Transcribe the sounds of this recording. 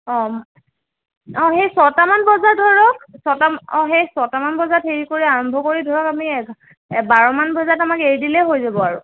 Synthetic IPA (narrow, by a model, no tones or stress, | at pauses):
ɔ̃ | ɔ̃xejsɔtamanbɔzadʱɔɹɔk̚sɔtamɔ̃xejsɔtamanbɔzatʰeɹikoɹiaɹɔmbʱɔkoɹidʱɔɹɔkamiɛ | baɹɔmanbɔzatamakeɹdilɛɦojzabɔaɹu